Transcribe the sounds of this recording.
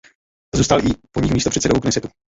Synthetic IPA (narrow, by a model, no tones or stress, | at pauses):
zuːst̪alʔɪpoɲikmiːst̪opr̥ɛt̪t͡ssɛdouknɛsɛt̪u